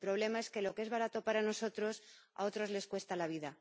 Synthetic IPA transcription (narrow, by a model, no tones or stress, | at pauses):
pɾo̞β̞le̞mae̞ske̞lo̞kee̞zβaɾat̪o̞paɾano̞so̞t̪ɾo̞sa̰o̞t̪ɾo̞zle̞skwe̞st̪alaβ̞iða